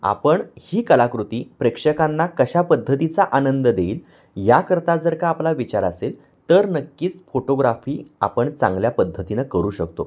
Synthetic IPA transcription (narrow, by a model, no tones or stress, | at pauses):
a̰pəɳhiːkəlakɾut̪iːpɾekʂəkanːakəɕapəd̪ʱːət̪it͡saʔanənd̪əd̪eiːl | jakəɾt̪ad͡zəɾkaːplaʋit͡ɕaɾasel | t̪əɾnəkːiːt͡sfoʈoɡɾafiːa̰pəɳt͡sã̰ŋɡljapəd̪ʱːət̪inəkəɾuːɕək̚t̪o̰